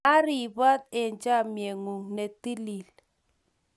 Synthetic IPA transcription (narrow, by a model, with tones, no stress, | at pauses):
a˦ɾi˨ba˦t̪̚e˨nd͡ʒa˦˨mje˨ŋu˨ŋne˨ti˦li˨l